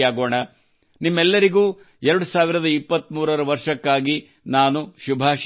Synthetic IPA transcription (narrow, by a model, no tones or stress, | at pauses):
aːɡoːɳɐ | nimːɛlːɐɾiɡuː | ɛɾɐɽusaːʋiɾɐd̪ɐipːɐt̪muːɾɐɾɐʋɐɾʂɐkːaːɡi | naːnuʃubʱaːʃ